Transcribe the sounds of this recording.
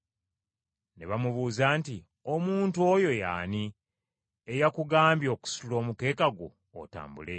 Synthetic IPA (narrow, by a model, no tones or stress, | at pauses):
ne̞̰βamuβuːzaːnti | omuːntuo̞jo̞ja̰ːni | ejakuɡaːmbjo̞ːku̥su̥ulo̞ːmuke̞ːkaɡwo̞̰ː | ta̰ːmbṵle̞